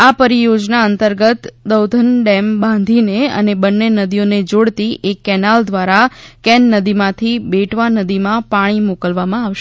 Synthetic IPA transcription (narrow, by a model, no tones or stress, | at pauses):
apəɾijod͡ʒnaənt̪əɾɡət̪d̪əwd̪ʱənɖɛmbãnd̪ʱineə̰nebənːenəd̪ijoned͡ʒoɽt̪iʔekːɛnald̪ʋaɾakɛnːəd̪imãt̪ʰibeʈʰʋanəd̪imãpaɽ̃imokəlʋamãaʋʃ